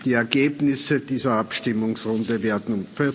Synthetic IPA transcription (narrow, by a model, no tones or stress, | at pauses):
d̥iːɛɐɡeːbnɪsəd̥iːzɐapʃtɪmʊŋsʁʊndəveːɐdn̩ʊmfɪ